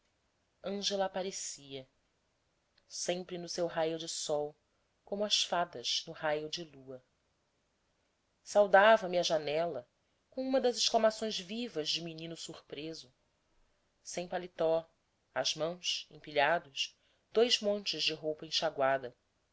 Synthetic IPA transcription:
ɐ̃ʒelɐːpaɾesiɐ | sẽmpɾɪnʊsewɦajʊd͡ʒɪsɔw | kõmʊɐʃfad̪ɐʃnʊhajʊd͡ʒɪluɐ | sawd̪avɐmɪɐʒanɛlɐ | kõw̃ũmɐd̪ɐzɪʃklamasõj̃zvivɐzd͡ʒɪminĩnʊsuχpɾezʊ | sẽj̃palit̪ɔ | azmɐ̃w̃ʃẽpiʎad̪ʊʃ | d̪̥ojzmõnt͡ʃɪzd͡ʒɪɦowpɐẽʃaɡwad̪ɐ

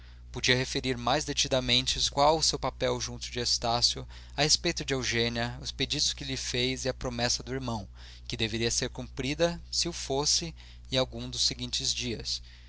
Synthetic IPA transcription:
pod͡ʒiɐhefeɾiɾmajzd̪et͡ʃid̪ɐmẽnt͡ʃɪkwawʊsewpapɛwʒũnt̪ʊd͡ʒɪest̪asjʊ | ɐhespejt̪ʊd͡ʒɪewʒẽniɐʊsped͡ʒid̪ʊskɪlɪfejzɪɐpɾomɛsɐd̪ʊiɾmɐ̃w̃ | kɪd̪eveɾiɐseɾkũmpɾid̪ɐsɪufosɪ | ɪawɡũd̪ʊseɡĩnt͡ʃɪzd͡ʒiɐs

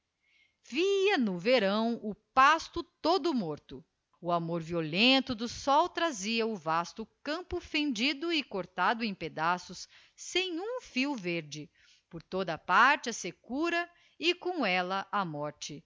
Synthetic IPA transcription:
viɐnʊveɾɐ̃w̃ʊpast̪ʊt̪od̪ʊmoɾt̪ʊ | ʊamoɾviolẽnt̪ʊd̪ʊsɔwt̪ɾaziɐʊvast̪ʊkɐ̃mpʊfẽnd͡ʒid̪ʊɪkoɾt̪ad̪ʊẽj̃ped̪asʊsː | ẽj̃ũfiwveɾd͡ʒɪ | poɾt̪od̪ɐpaɾt͡ʃɪɐsekuɾɐ | ɪkõw̃ɛlɐʔamɔɾt͡ʃɪ

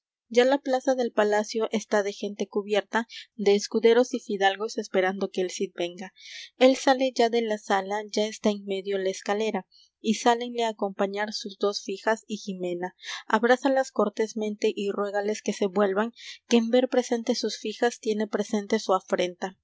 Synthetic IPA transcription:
d͡ʒalaplasaðe̞lpalasjo̞ʔest̪aðe̞xe̞nt̪e̞kuβje̞ɾt̪ad̪e̞ːskuðe̞ɾo̞sifiðalɣo̞se̞spe̞ɾand̪o̞ke̞ːlsit̪̚be̞ŋɡae̞lsale̞ʝaðe̞lasalaʝaest̪aeŋme̞ðjo̞laeskale̞ɾa | isale̞ŋle̞aːko̞mpaɲaɾsuzd̪o̞sfixasiximẽ̞naaβɾasalasko̞ɾt̪e̞smẽ̞nt̪eʔirwe̞ɣale̞ske̞se̞βwe̞lβaŋkeːmbe̞ɾpɾe̞se̞nt̪e̞susfixast̪je̞ne̞pɾe̞se̞nt̪e̞suafɾe̞nt̪a

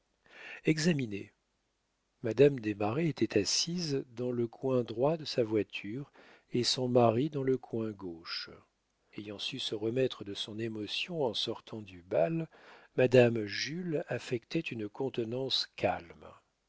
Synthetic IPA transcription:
ɛɡzamine | mad̪amd̪emaʁeet̪ʰɛt̪ʰasizd̪ɑ̃ləkwɛ̃d̪ʁwad̪əsavwat̪ʰyʁ | esɔ̃maʁid̪ɑ̃ləkwɛ̃ɡoʃ | ejɑ̃sysəʁəmɛt̪χəd̪əsɔ̃nemɔsjɔ̃ɑ̃sɔʁt̪ʰɑ̃d̪ybalmad̪amʒylafɛkt̪ɛt̪ynkɔ̃t̪ənɑ̃skʲʰa̰lm

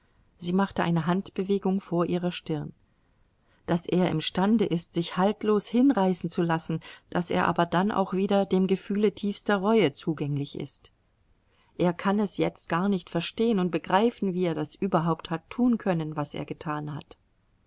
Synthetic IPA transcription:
z̥iːmaχtəʔa̰ɪnəɦantb̥əveːɡʊŋfoːɐʔiːʁ̞ɐʃtɪɐn | d̥asʔeːɐɪ̰mʃtandəʔɪstz̥ɪçhaltloːshɪnʁaɪsn̩t͡sulasn̩d̥asḛːɐʔa̰ːbɐdanʔa̰ʊxv̥iːdɐdeːmɡəfyːlətʰiːfstɐʁɔʏət͡suːɡɛŋlɪçʔɪ̰st | ʔeːɐkʰanɛsjɛt͡st̚ɡ̥aːɐnɪçtfɛɐʃteːənʊnt̚b̥əɡʁaɪfn̩viːeːɐdasʔyːbɐɦaʊpthatʰːuːnkʰœnənvasʔḛːɐɡətʰaːnha̰t

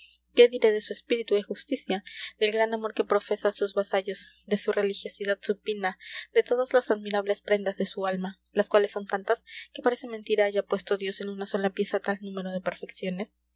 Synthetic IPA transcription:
ke̞ðiɾe̞ðe̞sue̞spiɾit̪uexust̪isjad̪e̞lɡɾanamo̞ɾke̞pɾo̞fe̞sasuzβasaʝo̞z | ðe̞sure̞lixjo̞siðad̪supinaðe̞t̪o̞ðazlasaðmiɾaβle̞spɾe̞nd̪azðe̞sualma | laskwale̞sːo̞nt̪ant̪aske̞paɾe̞se̞nment̪iɾaaʝapwe̞st̪oðjo̞se̞nũnaso̞lapje̞sat̪alnũme̞ɾo̞ð̞e̞pe̞ɾfe̞ksjone̞s

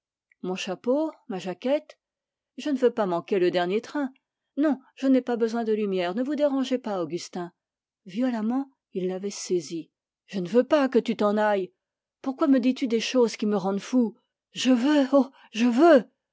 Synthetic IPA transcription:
mɔ̃ʃapomaʒakʲɛt̪ | ʒənəvøpamɑ̃kʲeləd̪ɛʁnjet̪χɛ̃ | nɔ̃ʒ̥ənɛpabəzwɛ̃d̪əlymjɛʁnəvud̪eʁɑ̃ʒepaoɡʲyst̪ɛ̃ | vjɔlamɑ̃ | ilːavɛsezi | ʒ̥ənəvøpakət̪yt̪ɑ̃naj | puʁkwaməd̪it̪yd̪eʃozkʲiməʁɑ̃d̪fu | ʒəvøo | ʒəvø

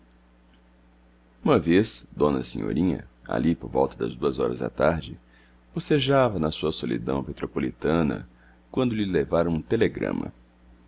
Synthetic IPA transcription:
ũmɐvesd̪õnɐ̰sĩɲo̰ɾĩɲɐ̰a̰lipoɾvɔwt̪ɐd̪ɐ̰zd̪uɐzɔɾɐ̰za̰t̪aɾd͡ʒɪ | b̥oseʒavɐnɐsuɐsolḭd̪ɐ̃w̃met̪ɾopolit̪ɐ̃nɐ̰ | kwɐ̃nd̪ʊlɪlevaɾɐũt̪eleɡɾɐ̰̃mɐ̰

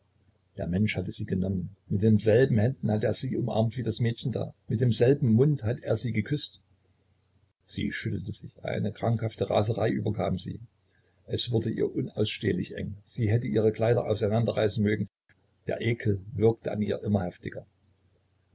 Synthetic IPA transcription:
d̥eːɐmɛnʃhatəziːɡənɔmənmɪt̚d̥eːmzɛlbm̩hɛndn̩hatəeːɐziːʔʊmʔa̰ɐmtv̥iːdasmɛːtçn̩da̰ːmɪt̚d̥eːmzɛlbm̩mʊnthatəeːɐziːɡəkʰʏst | z̥ḭːʃʏtl̩təz̥ɪçʔa̰ɪnəkʁ̥aŋkhaftəʁa̰ːzəʁaɪʔyːbɐkʰaːmzḭː | ʔɛsv̥ʊɐdəʔḭːɐʔʊna̰ʊsʃtḛːlɪçʔɛ̰ŋz̥iːɦɛtəʔiːʁ̞əkl̥aɪɾɐ̰ʔa̰ʊsaɪnandɐʁa̰ɪsn̩møːɡŋ̩ | d̥ḛːɐʔeːkʰl̩vɪɐk̚təʔa̰niːɐʔɪmɐhɛftɪɡ̥ɐ

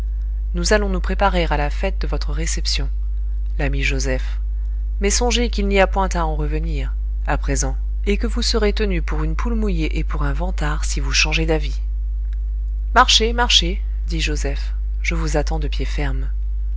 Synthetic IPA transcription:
nuzalɔ̃nupχepaʁeʁalafɛt̪̚d̪əvɔt̪χəʁesɛpsjɔ̃ | lamiʒozɛf | mɛsɔ̃ʒekilniapwɛ̃t̪aɑ̃ʁəvəniʁ | apχezɑ̃ | ekəvusəʁet̪ənypuʁynpulmujeʔepuʁɛ̃vɑ̃t̪aʁsivuʃɑ̃ʒed̪avi | maʁʃemaʁʃe | d̪iʒozɛf | ʒ̥əvuzat̪ɑ̃d̪əpjefɛʁm

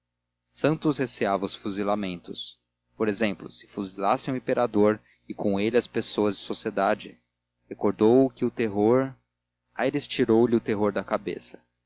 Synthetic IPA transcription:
sɐ̃nt̪ʊsheseavɐʊsfuzilamẽnt̪ʊs | poɾezẽmplʊsɪ̥fuzilasẽj̃ʊĩpeɾad̪oɾ | ɪkʰõelɪɐspesoɐzd͡ʒɪsosied̪ad͡ʒɪ | hekoɾd̪owʊkɪʊt̪eɦoɾ | ajɾɪst͡ʃiɾowlɪʊt̪eɦoɾd̪ɐkabḛsɐ̥

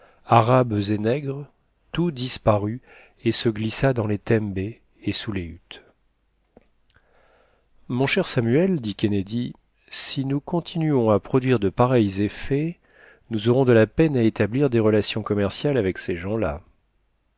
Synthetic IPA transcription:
aʁabzenɛɡʁ | t̪ud̪ispaʁy | esəɡlisad̪ɑ̃let̪ɛmbe | esuleyt̪ | mɔ̃ʃɛʁsamyɛld̪ikʲened̪i | sinukɔ̃t̪ʰinyɔ̃apχɔd̪ɥiʁd̪əpaʁɛjzefɛ | nuzɔʁɔ̃d̪əlapɛnaet̪abliʁd̪eʁəlasjɔ̃kɔmɛʁsjalavɛkseʒɑ̃la̰

